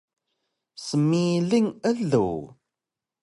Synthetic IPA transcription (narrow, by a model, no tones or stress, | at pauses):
səmːilːiŋælːṵ